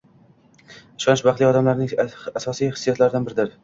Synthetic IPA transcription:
ɪʃɒnɪʃbaχt̪lijɒd̪amlaɾnɪŋasɒsijhɪ̥sːijat̪ʰlaɾɪd̪anbɪɾɪd̪ɪɾ

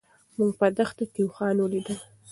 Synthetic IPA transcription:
muŋɡ̚pad̪axt̪ak̪iwxɑnwəlid̪əl

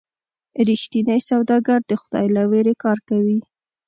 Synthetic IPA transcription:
ɾixt̪inəjsawd̪ɑɡaɾd̪əxʊd̪̥ɑ̰jlaweɾekɑɾkawi

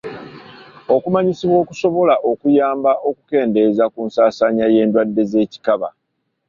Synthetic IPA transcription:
o̞kumaɲisiβwo̞ːkuso̞βo̞laʔo̞kujaːmbaʔo̞kuke̞ːnde̞zakunsaːsaɲaje̞ːndwadːe̞ze̞ːci̥kaβa̰

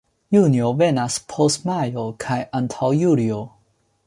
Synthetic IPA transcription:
juniovenaspʰostmajokʰajʔantʰawjulio

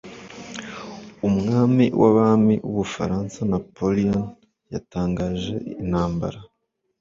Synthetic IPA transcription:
umŋaːmiwʔaβaːmiʔuβufa̰ɾaːnsanapolion | jataːŋɡaːʒe̞̰inhaːmba̰ɾa

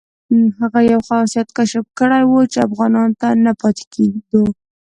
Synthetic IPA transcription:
ɦaɣajawxɑsijat̪kaʃafkəɽajwot͡ʃeafɣɑnɑnt̪anapɑt̪e̥kʰeɡu

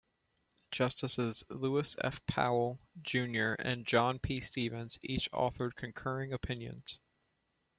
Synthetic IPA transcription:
d̥ʒ̥ʌstəsɪzluəsɛ̰fpʰa̰ʊl̩ˠd͡ʒʉ̃njə˞ʔɨ̰̃nd͡ʒɑ̃npʰistivɨ̃nz̥it͡ʃɔ̰θə˞d̚kʰɨ̃n̩kʰɜ˞ɪ̃ŋɨpʰɪ̃njɨ̰̃nz̥

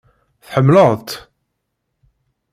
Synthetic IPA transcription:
θħəmːləʁt̪

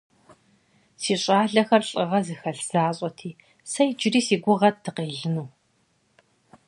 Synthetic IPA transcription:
siːɕʼaːɮɐxɐrɬʼɨʁɐzɨxɐɬz̥aːɕʼɐtʰiː | sɐjd͡ʒɪriːsiːɡʷʊʁɐt̚d̥ʰɨqeːɮɨnuː

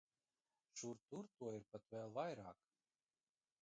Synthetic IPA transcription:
ʃuɾt̪uɾt̪uɔiɾpat̪vɛːlˠvajɾɑːk

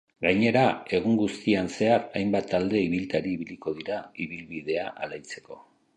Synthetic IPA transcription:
ɡaɲe̞ɾae̞ɣ̞uŋɡust̪ianse̞aɾajmbat̪ːald̪e̞iβilt̪aɾiːβiliko̞ðiɾaiβilβiðe̞aʔalajt͡se̞̥ko̞

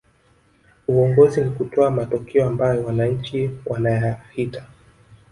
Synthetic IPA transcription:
uɔŋɡɔzinikutɔamatɔkʰɛɔambajɔwanaɲ̩t͡ʃiwanajahitḁ

